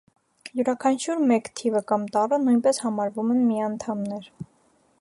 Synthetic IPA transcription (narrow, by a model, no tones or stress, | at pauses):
juɾɑkʰɑnt͡ʃʰuɾmɛkt̪ʰivəkɑmt̪ɑrənujnpɛshɑmɑɾvumɛnmiɑnt̪ʰɑmnɛɾ